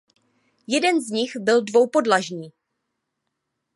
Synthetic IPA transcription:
jɛdɛnzɲɪxbɪldvo̞wpo̞dlaʒɲiː

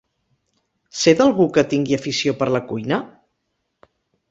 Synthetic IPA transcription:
sed̪əlˠɣukət̪iŋɡiəfisiopəɾləkujnə

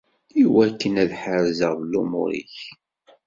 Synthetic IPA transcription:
iwækːənæðħəɾzəʁðəlːumʊ̰ɾḭç

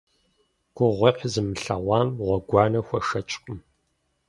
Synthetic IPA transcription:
kʷʼʊʁʷeqʲzɨmɨɬɐʁʷɑːmʁʷɔɡʷɑːnɐxʷɔʂɐt͡ʃʼqʼʊm

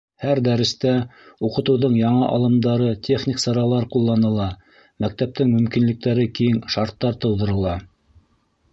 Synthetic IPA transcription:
hæɾd̪æɾɘ̆st̪æuqɤ̆t̪ɤ̆wðoɴjɑɴɤʔɑlˠɤ̆md̪ɑɾɤt̪ʲeχnʲiksɤ̆ɾɑlˠɑɾqulˠːɑnɤ̆lˠɑ | mæk̚t̪æp̚t̪ɘŋmɵ̆mkinlɘ̆k̚t̪æɾɘkijɘŋʃɑɾt̪ːɑɾt̪ɤ̆wðɤ̆ɾɤ̆lˠɑ

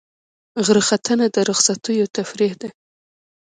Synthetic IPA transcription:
ɣəɾxat̪ʰənad̪əɾʊxsat̪ujot̪afɾihd̪e

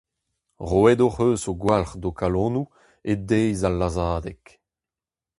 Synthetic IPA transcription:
ʁoɛdoʁøːsoɡwalχd̪okalɔ̃ːnu | edejzalːazaːd̪ɛk

